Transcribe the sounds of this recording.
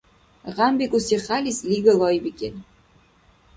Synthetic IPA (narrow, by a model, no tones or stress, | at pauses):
ʁambekuseχalʲislʲiɡɐlˠɔjbikʲen